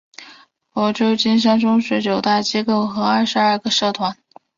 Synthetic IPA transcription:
wɔ˧˥ʈ͡ʂo˥˩t͡ɕi˥nʂ̬a˥nʈ͡ʂʊ˥ŋɕɥɛ˧˥t͡ɕjo˨˩ʊt̪a˥˩t͡ɕi˥ko˥˩ʊxɤ˧˥ɐ˥˩ʂɻ̩˧˥ɐ˞˥˧ɡə˧ʂɤ˥˩t̪ʰwa˧˥n

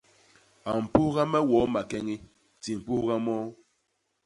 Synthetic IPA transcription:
a˨m̩˨pu˦hɣa˦mɛ˦wɔ˨˦ma˨kɛ˦ŋi˦ | ti˨m̩˨pu˦hɣa˦mɔ˦

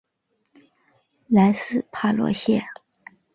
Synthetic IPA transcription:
la˧˥nsɹ̩˥˩pʰa˥˩lwɔ̰˧˥ɕjɛ˥˩

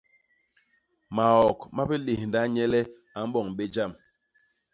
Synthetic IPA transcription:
ma˨ɔ˨kma˦pɛ˦le˨hnda˦ɲɛ˦lɛ˦ | a˨m˦bɔ˨ŋɓe˦d͡ʒa˦˨m

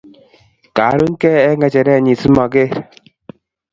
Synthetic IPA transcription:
ka˨˦ɾu˦ŋ̩˦kɛ˦ɛ˦ŋɛ˨t͡ʃɛ˨ɾɛ˦˨ɲi˨si˦ma˨ɡe˦˨ɾ

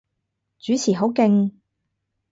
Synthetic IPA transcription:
t͡ʃyː˨˥t͡sʰiː˨˩ɦo˨˥wkɪ˧ŋ

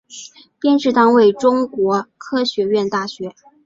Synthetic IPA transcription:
pjɛ˥nʈ͡ʂɻ̩˥˩t̪ɑ˥ŋwe˥˩ɪʈ͡ʂʊ˥ŋkwɔ˧˥kʰɤ˥ɕɥɛ˧˥ɥɛ˥˧nt̪a˥˩ɕɥɛ˧˥

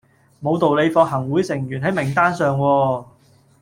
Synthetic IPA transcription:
mo˨˧wt̪o˨wle˨˧jfɔː˧k̚ɦɐ˨˩ŋwuː˨˥jsɪ˨˩ŋjyː˨˩nɦɐ˨˥jmɪ˨˩ŋt̪aː˥nsœː˨ŋwɔː˧

